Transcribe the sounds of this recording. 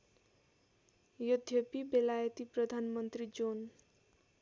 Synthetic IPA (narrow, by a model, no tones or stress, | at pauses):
jʌd̪ʱjʌpibelajʌt̪iprʌd̪ʱanmʌnt̪rid͡zon